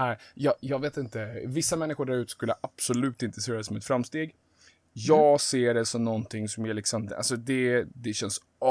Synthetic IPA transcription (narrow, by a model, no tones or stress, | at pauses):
æɪjɑːjɑːɡveːt̪ɪnt̪əvɪsːamɛnːɪɧʊɖæɾʉ̟t̪əskɵlːəʔab̥sɔlʉ̟ːt̪ɪnt̪ɾəseːɾad̪ɛsɔmɛt̪fɾamst̪eːɡ | jɑːɡseːɖɛsɔmnɔnt̪ʰɪŋːsɔmjaɭɪksɔma̰lsɔd̪ɛd̪ɛɕɛns